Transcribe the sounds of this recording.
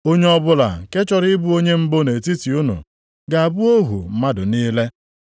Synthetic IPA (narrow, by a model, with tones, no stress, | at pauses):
o˦ɲe˦ɔ˦bʊ˦la̰˨ke˦t͡ʃɔ˨ɾɪ˦bu˦o˦ɲe˦m̩˦bo˦ne˨ti˦ti˨u˦nṵ˨ | ɡa˨a˨bʊ˦o˦ɦṵ˨m̩˦ma˦dʊ˨niː˦le˦